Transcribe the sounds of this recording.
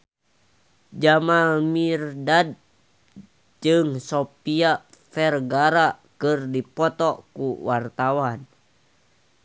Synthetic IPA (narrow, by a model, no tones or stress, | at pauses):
d͡ʒamamirdad̚ | d͡ʒɨŋsopia | fɛrɡaɾa | kɨrdipɔt̪ɔkuwart̪awan